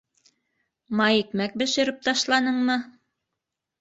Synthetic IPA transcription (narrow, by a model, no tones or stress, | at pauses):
mɑjikmæk̚bɘ̆ʃɘ̆ɾɘp̚t̪ɑʃlˠɑnɤɴmɤ